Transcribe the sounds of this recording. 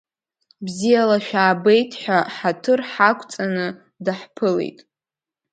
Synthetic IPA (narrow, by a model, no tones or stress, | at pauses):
bzijalaʃᶣaːbe̞jtʰħʷᶣaħatʰɨrħakʷʰʼt͡sʼanɨ | daħpʰɨlḛjtʼ